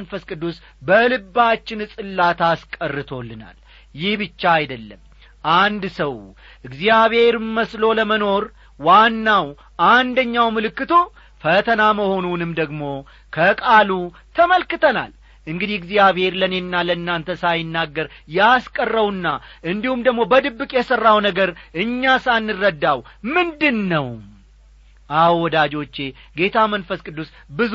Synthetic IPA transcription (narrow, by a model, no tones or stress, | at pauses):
nfəskʼɨd̪ːus | bəlɨbːat͡ʃːɪnɨsʼɨlːat̪ʰaskʼərːɨt̪ʰo̞lːɨna̰l | jɪhbɨt͡ʃːaːjd̪əlːəm | ʔand̪səw | ʔɨɡzijaβhe̞ɾməslo̞ləməno̞ɾ | wanːaw | ʔand̪əɲːawmɨlɨkːɨt̪ʰo | fət̪ʰənaməho̞nunɨmd̪əɡmo̞ | kʰəkʼalu | t̪ʰəməlkɨt̪ʰəna̰l | ʔɨŋɡɨd̪iɡziaβhe̞ɾlənjɛnːalənːant̪ʰəsajɪnːaɡːəɾjaskʼərːəwɨnːaʔɨnd̪ihumd̪əɡmo̞bəd̪ɨbːɨkʼjɛsərːawnəɡəɾʔɨɲːasanːɨrːəd̪ːawmɨnd̪ɨnːəw | ʔawɔd̪ad͡ʒo̞t͡ʃːe̞ɡe̞t̪ʰamənfəskʼɨd̪ːus | bɨz